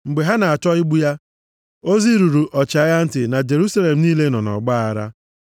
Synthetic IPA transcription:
ŋ͡m̩˨ɡ͡be˨ɦa˦na˨a˨t͡ʃɔ˦ɪ˦ɡ͡bu˦ja˦ | o˦zi˦ɾu˨ɾu˨ʔɔ˨t͡ʃa˨˦ja˦n̩˦tɪ˨na˨d͡ʒe˨ɾu˦sa˦le˨m̩˨˦niː˦le˦nɔ˨nɔ̰˨ɡ͡ba˦a˨ɾa̰˦

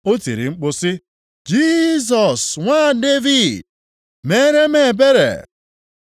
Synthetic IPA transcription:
o˦ti˨ɾi˨ŋ͡m̩˦k͡pʊ˦sɪ˦ | d͡ʒi˦zɔ˨sŋʷa˦˨de˦vi˨d | me˦ɾe˦me˨be˦ɾḛ˨

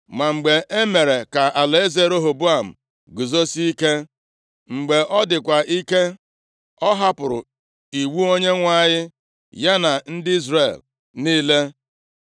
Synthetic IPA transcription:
ma˨ŋ͡m̩˨ɡ͡be˨ʔe˦me˨ɾe˨ka˨ʔa˨le˦ze˨ɾo˦ɦo˨bu˦a˨m̩˨ | ɡu˨zo˦si˦i˦ke˦ | ŋ͡m̩˨ɡ͡be˨ʔɔ˦dɪ˨kʷa˨ʔi˦ke˦ | ɔ˦ɦa˦pʊ˨ɾʊ̰˨ | i˨wu˦o˦ɲe˦ŋʷa˦˨ɲɪ˦ | ja˦na˨n̩˦dɪ˦i˦zɾe˨l | niː˦le˦

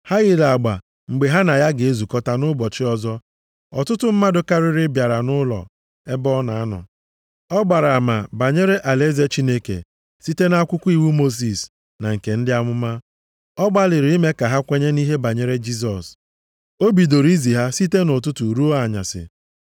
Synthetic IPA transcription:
ha˦ɣɪ˦˨la˨a˨ɡ͡ba˨ | ŋ͡m̩˨ɡ͡be˨ɦa˦na˨ja˦ɡe˨e˦zu˨kɔ˦ta˦nʊ˦bɔ˨t͡ʃɪ˦ɔ˦zɔ˦ | ɔ̰˨tʊ˦tʊ˦m̩˦ma˦dʊ˨ka˦ɾɪ˦ɾɪ˦bja˨ɾa˨nʊ˦lɔ̰˨ | e˦bɔ˦na˨a˦nɔ̰˨ | ɔ˦ɡ͡ba˨ɾa˨ma˨ba˨ɲe˦ɾe˦ʔa˨le˦ze˦t͡ʃi˦ne˦kḛ˨ | si˦te˦na˦kʷʊ˦kʷu˦i˦wu˦mo˦s̬i˨s | na˨ŋ̩˨ke˨n̩˦dɪ˦a˦mʊ˦ma˦ | ɔ˦ɡ͡ba˦lɪ˨ɾɪ˨˦i˦me˦ka˨ɦa˦kʷe˦ɲe˦ni˦ɦe˦ba˨ɲe˦ɾe˦d͡ʒi˦s̬ɔ˨s | o˦bi˨do˨ɾi˦zi˨ɦa˦si˦te˦no˨tʊ˦tʊ˨ɾu˦o˦a˨ɲa̰˨sɪ̰˨

